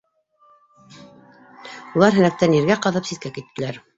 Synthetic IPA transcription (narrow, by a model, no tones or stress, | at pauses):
ulˠɑɾɦɘ̆næk̚t̪æniɾɡæqɑðɤpsit̪̚kækit̪ːɘ̆læɾ